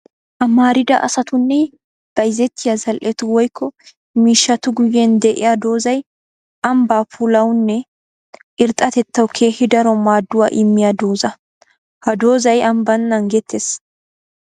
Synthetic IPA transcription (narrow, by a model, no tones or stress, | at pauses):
ʔɐmaːɾɪd̪ɐ̰ʔɐ̰sɐt̪ʊnːɛ | b̥ɐjɪzɛt̪ːɪjazɐlʔɛt̪ʊwɔjkʰːɔ | miːʃːɐt̪ʊɡʊjːɛnd̪ɛʔɪjad̪o̞ːzɐj | ʔɐmbaːpulɐwnːɛ | ʔɪɾt̪ʼɐt̪ɛt̪ːɐwkʰeːhɪd̪ɐɾɔmaːd̪ːʊwa̰ːʔɪmːɪjad̪oːzɐ | hɐd̪o̞ːzɐjɐmbɐnːɐŋɡɛt̪ʰːes